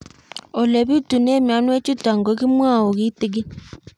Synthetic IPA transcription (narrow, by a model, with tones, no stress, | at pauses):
o˨le˨βi˦tu˨ne˦mja˨˦nwe˦t͡ʃu˦ta˨ŋɡo˨˦ɣi˦mwa˦˨o˨ɣi˦ti˨ɡi˦